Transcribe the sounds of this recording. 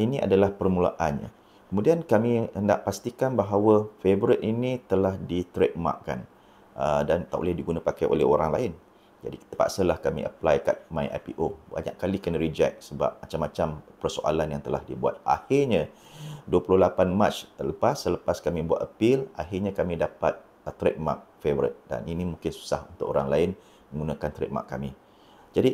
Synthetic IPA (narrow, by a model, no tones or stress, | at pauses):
inĩʔa̰dalahpərmula̰ʔanɲa̰ | kəmudiankamĩənda̰ʔpast̪ikanbaɦawəfebəɾɪt̪̚inĩt̪əlahdit̪ɾet̪̚ma̰ʔka̰n | ədant̪aʔo̰lɛhdiɡunãpakajʔo̰lɛ̰ɦoɾaŋlaɪn | d͡ʒa̰di̥t̪əpa̰ʔsəlahkamḭʔə̰plajka̰t̪̚mãja̰pḭʔoba̰ɲa̰ʔkalikənɾid͡ʒɛk̚səba̰p̚mat͡ʃamːat͡ʃampərso̰ʔa̰lanjaŋt̪əlahdibua̰t̪̚a̰hɪrɲa | duəpulʊhlapanmat͡ʃələpasːələpaskamĩbuat̪əpɪlaɦɪrɲakamĩdapat̪̚ | t̪ɾɛk̚ma̰k̚fevəɾət̪̚da̰ninimũŋkɪnsu̥sahunt̪ʊʔoɾaŋlaɪn | mə̃ŋɡunakant̪ɾɛ̰k̚ma̰ʔkːamĩ | d͡ʒadi